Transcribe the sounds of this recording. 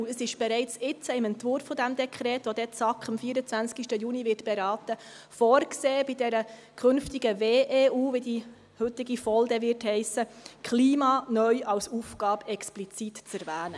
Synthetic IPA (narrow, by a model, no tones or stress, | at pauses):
əsɪʃb̥ɛɾɛɪt͡sɪt͡səɪmɛntʋʊɾfːɔd̪æmd̪ɛkʰɾɛːt̪ʋod̪ɛt͡sɑkχɑmfiːəɾət͡sʋænskiʃtəjuːniʋɪːtb̥ɛɾɑːt̪ə | fɔːrkseːb̥ɪd̪ɛɾə | kʰɵnftiɡəveːʔeːuːʋid̪i | hɵt̪ɪɡifɔld̪ɛʋɪɾthɛɪsəkʰliːmɑːnœʏʔɑwsuːfɡ̥ɑːbɛksplit͡sitt͡sæɾvæːnə